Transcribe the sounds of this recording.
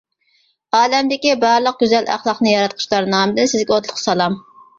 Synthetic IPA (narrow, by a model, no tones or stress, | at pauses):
ɑːlɛmd̪ɪkʲibɑɾlˠəq̚ɡʲyzɛlʔæ̰χlˠɑχnɨjɑɾɑt̪̚qʰʊ̥ʃlˠɑɾnɑːmɨd̪ɨnsɪzɡʲɛot̪lˠʊqsɑlˠɑm